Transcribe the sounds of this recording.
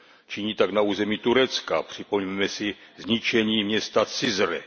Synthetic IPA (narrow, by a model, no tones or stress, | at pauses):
t͡ʃiɲiːt̪aɡnauːzɛmit̪uɾɛt͡skapr̝̥ɪpommɛmɛsɪzɲɪt͡ʃɛɲiːmɲɛst̪at͡sɪzɾɛ̰